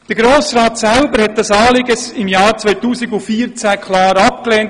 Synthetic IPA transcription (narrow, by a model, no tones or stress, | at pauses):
d̪̥əɡɾoːsɾɑːtsælbəɾhɛt̚d̥ɑsɑːlɪɡəsɪmjɑːɾt͡sʋœɪtuːsiɡufiːɾt͡sækʰlɑːɾɑp̚klɛːnt